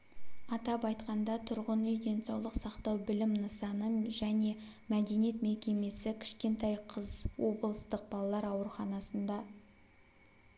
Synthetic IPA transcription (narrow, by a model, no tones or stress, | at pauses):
ɑt̪ɑpɑjt̪qɑnd̪ɑt̪ʰʊɾʁənʏjd̪e̞nsɑwlˠəqsɑqt̪ɑwbɪlɪmnəsɑnəmʒæne̞ | mæd̪e̞nije̞t̪me̞kʲe̞me̞sɪkʲʰɪ̥ʃkʲe̞nt̪ɑjqʰəzwo̞bəlˠəst̪əq̚bɑlˠɑlˠɑɾɑwəɾəχɑnɑsənd̪ɑ